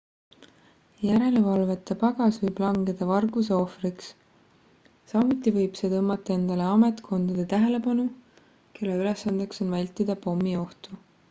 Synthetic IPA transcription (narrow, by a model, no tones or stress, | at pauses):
jæɾele̞vɑlve̞t̪ːˑe̞pɑɡ̥ɑsvɤjb̥lɑŋɡe̞d̪̥ɑvɑrɡuse̞o̞friks | sɑmut̪ːˑivɤjb̥se̞t̪ɤmːɑt̪ːˑɑe̞nd̪̥ɑle̞ɑme̞t̪kʰo̞nd̪̥ɑd̪̥et̪æɦe̞le̞pɑnu | ke̞lːeylesːɑnd̪̥ekso̞nvælʲt̪ːˑid̪̥ɑpo̞mːio̞ht̪u